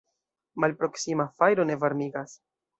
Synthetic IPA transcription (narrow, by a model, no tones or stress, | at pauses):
malpɾo̞ksimafajɾo̞ne̞vaɾmiɡas